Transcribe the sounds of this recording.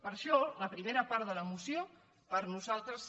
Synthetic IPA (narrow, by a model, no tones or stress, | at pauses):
pəɾʃɔləpɾimeɾəpaɾðələmusjo | pəɾnuzalˠt̪ɾəs